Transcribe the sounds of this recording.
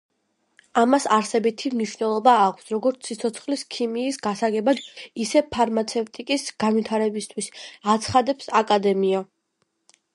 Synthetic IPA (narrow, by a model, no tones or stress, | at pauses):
amasaɾsɛbit̪ʰimniʃwvnɛlˠɔbaːkʷʰsɾɔɡɔɾt̪sʰːit̪sʰɔt̪sʰχliskʰimiːsɡasaɡɛbad̪isɛpʰaɾmat̪sʰɛft̪ʼikʼisɡanwit̪ʰaɾɛbist̪ʰwisat̪sʰχad̪ɛpsakʼad̪ɛmia